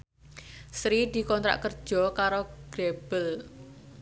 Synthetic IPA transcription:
sɾid̪̥i̤kɔnt̪ɾa̰ʔkərd̥ʒ̥ɔ̤kaɾoɡ̥eb̥əl

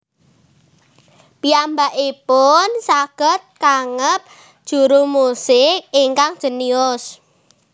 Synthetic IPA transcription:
piambaʔipʊnsaɡ̥ə̤t̪̚kaŋəp̚ | d̥ʒ̥ṳɾumusɪk̚iŋkaŋd̥ʒ̥ə̤niʊs

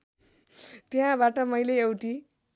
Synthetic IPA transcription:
t̪eɦãbaʈʌmʌjleewʈi

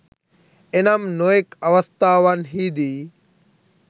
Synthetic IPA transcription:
ɪnəmnoːɪkəʋəst̪aːʋənɦiːd̪iː

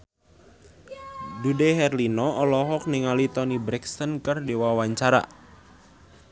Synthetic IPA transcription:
dudeɦɛrlinɔʔɔlɔɦɔk̚nɪŋalit̪ɔnibɾɛksənkərdiwawaɲt͡ʃaɾa̰

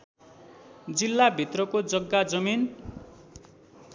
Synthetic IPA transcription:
d͡zilːabʱit̪rʌkod͡zʌɡːad͡zʌmin

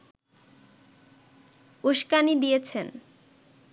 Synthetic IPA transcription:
uʃkanid̪ijet͡ɕʰen

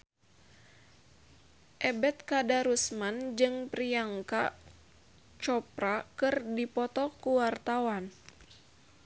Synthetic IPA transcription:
ʔɛbɛt̪̚kadaɾusmand͡ʒɨŋpɾiaŋka | t͡ʃɔpɾakɨrdipɔt̪ɔkuwart̪awan

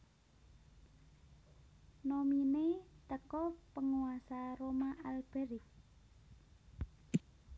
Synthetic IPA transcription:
nominet̪əkɔpəŋuasaɾomaʔalb̥e̤ɾɪk̚

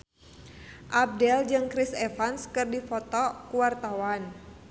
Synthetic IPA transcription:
ʔab̚dɛld͡ʒɨŋkɾisɛfanskɨrdifɔt̪ɔkuwart̪awan

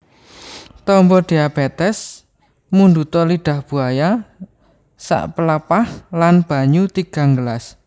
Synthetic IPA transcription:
t̪ɔmbɔɖ̥iab̥et̪ɛs | mundut̪ɔliɖ̥a̤hb̥ṳaja | sa̰ʔpələpahlanb̥a̤ɲut̪iɡ̥a̤ŋɡəlas

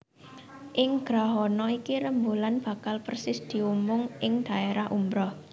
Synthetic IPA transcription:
ʔɪŋɡ̥ɾaɦɔnɔikiɾəmbulanb̥ä̤kalpərsɪsd̪̥i̤umʊŋʔɪŋd̪̥ä̤eɾahʔumbɾɔh

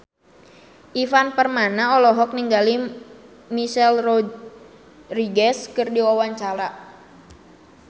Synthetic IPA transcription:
ʔifanpərmanaɔlɔɦɔk̚niŋɡali | miʃɛlrɔ | riɡɛskɨrdiwawaɲt͡ʃaɾa

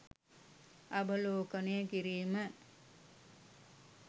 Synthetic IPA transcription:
ɐbəloːkənejəkiɾiːmə

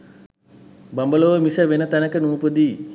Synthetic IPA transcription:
bɐmbɐloːʋəmisəʋenɐt̪ɐnɐkənuːpəd̪iː

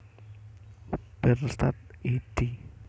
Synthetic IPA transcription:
b̥ɛrst̪at̪̚id̪̥i

